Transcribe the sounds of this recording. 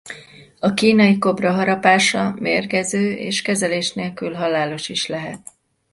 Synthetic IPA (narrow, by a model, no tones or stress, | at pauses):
ɒkiːnɒjiko̞brɒɦɒɾɒpaːʃɒmeːrɡɛzøːʔḛːʃkɛzɛleːʃneːlkylɦɒlaːlo̞ʃiʃlɛɦɛt̪̚